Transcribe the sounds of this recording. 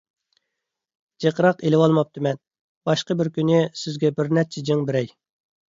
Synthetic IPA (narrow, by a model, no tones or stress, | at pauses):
d͡ʒeqəɾɑqelɪwɑlˠmɑp̚t̪ʰɨmɛn | b̥ɑʃqəbɪɾkʲynɪsɪzɡʲɛbɪɾnɛt͡ʃʰɪd͡ʒɪŋbɪɾɛj